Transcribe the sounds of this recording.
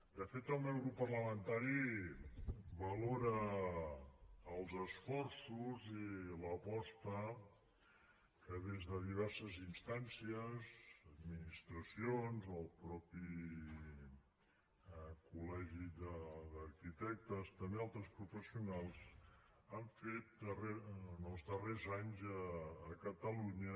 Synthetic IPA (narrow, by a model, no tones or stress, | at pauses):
d̪əfet̪əlˠmɛwɾupərləmənt̪aɾi | bəloɾə | lˠzəsfɔrsuziləpɔst̪ə | kəðezðəðiβ̞ɛrsəzinst̪ansiəzəd̪minist̪ɾəsionzəlˠpɾɔpi | kulɛʒidəd̪əɾkit̪ɛk̚t̪əst̪əmealˠt̪ɾəspɾufəsiunalˠz̥ | aɱfet̪̚ərenəlˠzðərezaɲzəːkət̪əluɲə